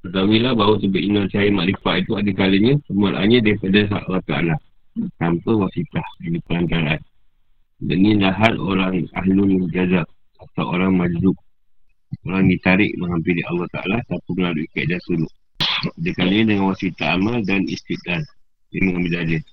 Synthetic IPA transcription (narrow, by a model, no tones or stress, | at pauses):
t̪ət̪awilahbausəbaʔinɔrsajəmaʔɾifaʔit̪uadəkaləɲə̃səmualʔa̰ɲədaipadəs̬aʔalːɔht̪aʔa̰la | t̪ampəwasit̪ahnipəlaɲt͡ʃaɾaʔan | da̰nĩlaɦat̪o̰ɾaŋa̰ɦlund͡ʒazak̚ | asaʔoɾaŋmad͡ʒzʊk̚ | oɾaŋdit̪aɾɪ̰ʔməɦampiliʔalːɑht̪a̰ʔa̰lat̪apiməlaluika̰ʔ̚dasuluʔ | adəkaləɲədəŋanwasit̪aamaldanḭst̪it̪̚lal | diməŋabiladə